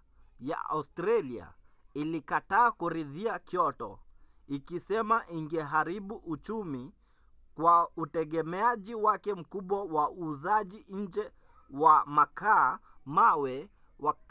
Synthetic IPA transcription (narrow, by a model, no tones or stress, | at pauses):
ja̰a̰ustɾalia̰ilikataːkuɾiðiakjɔtɔ̰ | ikisɛmaʔiŋɡɛɦaɾiɓuʔut͡ʃumi | kwautɛɠɛmɛaʄiwakɛm̩kuɓwawauːzaʄiɲ̩d͡ʒɛ | wamaka | mawɛ | wʔa